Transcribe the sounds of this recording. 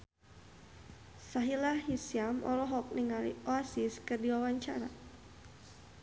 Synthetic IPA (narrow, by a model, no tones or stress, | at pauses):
saɦilahɦisiamɔ̰lɔɦɔk̚niŋalḭoasiskərdiwawaɲt͡ʃaɾa̰